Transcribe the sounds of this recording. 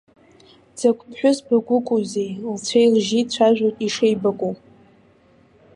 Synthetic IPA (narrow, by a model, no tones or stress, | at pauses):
d͡zakʷʰʼpʰħᶣʊzbaɡʷʊkʷʼuzejlt͡ɕʷʰejlʒit͡ɕʷʰaʒʷᶣotʼiʂejbakʷʼu